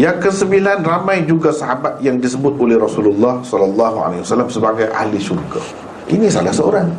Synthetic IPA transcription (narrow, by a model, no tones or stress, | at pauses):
jaŋkəsəmbilanramãjd͡ʒuɡasaɦabat̪̚jaŋdisəbʊt̪̚olɛhɾɔsululːɑhsɔlalːɑɦua̰laiwasalamsəbaɡajʔa̰lisurɡa | ʔḭnisa̰lasəoɾaŋ